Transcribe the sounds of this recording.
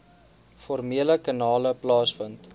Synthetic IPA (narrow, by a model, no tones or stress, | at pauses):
fɔrmiələkɑnɑːləplɑːsfənt